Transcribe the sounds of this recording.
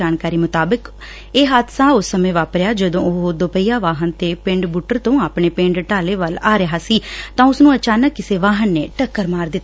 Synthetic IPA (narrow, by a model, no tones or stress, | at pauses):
aːnkaːɾiːmʊt̪aːbək | eːɦaːd̪sãːʊsːəmẽːʋaːpɾeaːd͡ʒəd̪õːoɦod̪opəijaːʋaːɦənt̪eːpɪ̃ɳɖbuːʈəɾt̪õːaːpɳeːpẽːɳɖʈaːleːʋəlaːɾeɦaːsiːt̪ãːʊsnũːət͡ʃaːnəkːɪseːʋaːɦənːeːʈəkːəɾmaːɾd̪ɪt̪ː